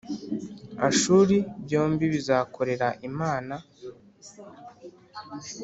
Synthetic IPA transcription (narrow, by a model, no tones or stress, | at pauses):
a̰ʃuːɾibɟo̞ːmbiβizaːkʰo̞ɾe̞ɾaʔimaːna